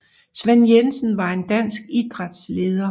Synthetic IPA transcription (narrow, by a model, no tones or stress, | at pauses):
sʋenjensən̩ʋɑ̈e̝nd̥æn̰sɡ̥id̥ʁad̥sle̝ːðˠɐ